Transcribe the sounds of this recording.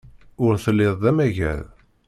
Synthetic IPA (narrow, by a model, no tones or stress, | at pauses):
ʊɾθəlːɪðˤðæmæʝæ̰ð